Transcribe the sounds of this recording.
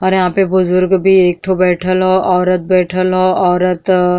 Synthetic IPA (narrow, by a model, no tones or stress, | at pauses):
ɔːɾjɐɦãpebʊzʊɾɡbʱieːk̚ʈʰobɛːʈʰəlɦoʔɔːɾət̪̚bɛːʈʰəlɦoːɔːɾət̪